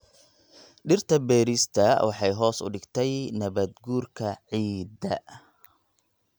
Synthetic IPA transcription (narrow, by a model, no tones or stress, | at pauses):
ɖɪrt̪ʰɐbɛːɾɪst̪ʰɐwʔɑħɑjɦɔːsʊ̰ɖɪɡt̪ʰɛjnɐβɐd̪ɡuːrkʰɐʕiːd̪ɐ